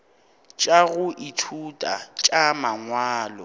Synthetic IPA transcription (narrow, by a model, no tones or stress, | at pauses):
t͡ʃʼaɣʊʔitʰutʼa̰t͡ʃʼamaŋwaːlɔ